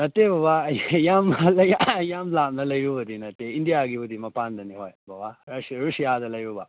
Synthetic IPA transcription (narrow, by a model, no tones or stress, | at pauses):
nɐt̪ːebɐʋajaːmlɐjajaːmlaːmnɐlɐjubɐd̪inɐt̪ːeind̪ijaaːɡiʋud̪imɐpaːnd̪ɐniɦoːjbʱɐʋaɾɐʂɾuʂijaːd̪ɐlɐjʋuba̰